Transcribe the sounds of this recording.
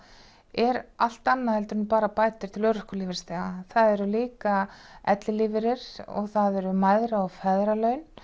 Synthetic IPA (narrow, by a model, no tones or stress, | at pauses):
ɛɾal̥t̪anːaðɛlt̪ʏɾnʏpaːɾapaːjt̪ɪɾ̥t̪ʰɪlœːɾʏhkʏliːvɪɾst̪aːɣaθaðɛɾʏliːkaɛt̪lɪlivɪɾɪɾ̥ɔ̰ɣθaðɛɾʏmaːjðɾaɔɣfɛðɾalœɥn